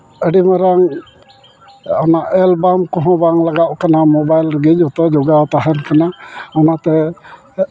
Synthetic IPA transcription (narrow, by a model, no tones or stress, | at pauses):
əɖimaɾaŋ | ɔnaʔɛlbamkɔɦɔ̃baŋlaɡaʔʔkanamɔbajlɾəɡid͡ʒɔt̪ɔd͡ʒɔɡat̪aɦɛnkanaɔnat̪ɛ